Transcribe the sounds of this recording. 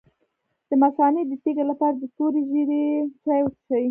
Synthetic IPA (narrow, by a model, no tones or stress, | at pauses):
d̪̥əmasɑned̪ət̪eɡalapɑɾad̪ət̪oɾiziɾet͡sajwt̪asawi